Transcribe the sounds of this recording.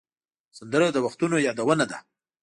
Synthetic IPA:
sand̪əɾad̪əwaxt̪unojɑd̪awənad̪a

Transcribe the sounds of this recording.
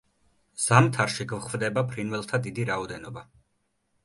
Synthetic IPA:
z̥amt̪ʰaɾʃiɡvχvd̪ɛbapʰɾinvɛlˠt̪ʰad̪id̪iɾaɔd̪ɛnɔba

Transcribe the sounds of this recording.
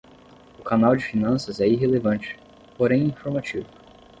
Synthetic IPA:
ʊkanawd͡ʒɪfinɐ̃sɐzɛiɦelevɐ̃nt͡ʃɪ̥ | poɾẽj̃ĩfoɾmat͡ʃivʊ

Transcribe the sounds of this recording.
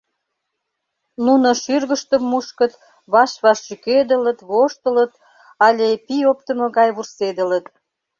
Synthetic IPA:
nunoʃyrɣəʃt̪əmːuʃkət̪ | βɑʃβɑʃːyked̪ələt̪βoʃt̪ələt̪̚ | ɑlʲepiopt̪əmŏɣɑjβursed̪ə̆lət̪

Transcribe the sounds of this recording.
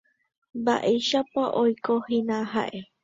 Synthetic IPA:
ba̰ʔejʃapaʔojkohinãɦa̰ʔe

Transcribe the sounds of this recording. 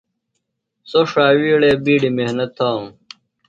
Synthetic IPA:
soʂaːwiːɽeːbiːɽimehnɐt̪ʰːaːũ

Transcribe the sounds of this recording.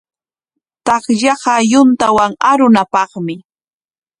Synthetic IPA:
t̪ɑχʎɑɢɑjʊnt̪awaŋaɾʊnapɑχmɪ

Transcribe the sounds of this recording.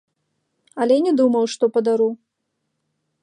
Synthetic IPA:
ɐlʲɛnʲɛd̪umɐwʂt̪ɔpɐd̪aɾu

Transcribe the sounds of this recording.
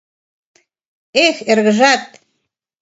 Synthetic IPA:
exerɣə̆ʒɑt̪̚

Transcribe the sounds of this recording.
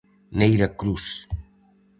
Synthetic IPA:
nejɾakɾus

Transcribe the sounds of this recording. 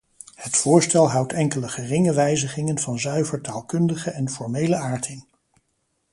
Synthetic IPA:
hətfʊːɹstɛlˠɦʌwtɛŋkələχərɪŋəʋɛjzəχɪŋənvɑnzœɥvəɹtaːlˠkɵndəχəɛnfɔɹmejləaːɹtʰɪn

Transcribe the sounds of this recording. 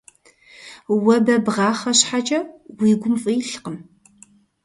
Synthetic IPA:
wɐbɐbʁɑːχɐɕħat͡ʃʼɐwiːɡʷʊmfʼijɬqəm

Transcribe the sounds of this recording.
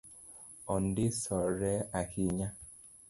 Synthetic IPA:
ɔndɪsɔɾɛakiɲa

